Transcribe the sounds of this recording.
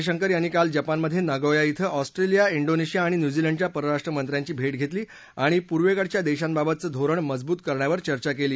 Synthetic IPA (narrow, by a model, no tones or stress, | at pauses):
ɕəŋkəɾjanːiːkald͡ʑapanməd̪ʱːjenaɡəʋjait̪ʰəʔɔsʈɾelijaiɳɖoneɕijaːɽ̃injud͡ʑiləɳɖt͡ɕjapəɾəɾaʂʈɾəmənt̪ɾjãɲt͡ɕiːbʱeʈ̚ɡʱet̪liː | aɽ̃ipuɾʋekəɽt͡ɕjad̪eɕãnbabət̪̚t͡səːd̪ʱoɾəɳməd͡zbuːt̪kəɾɳjaʋəɾt͡ɕəɾt͡ɕakeliː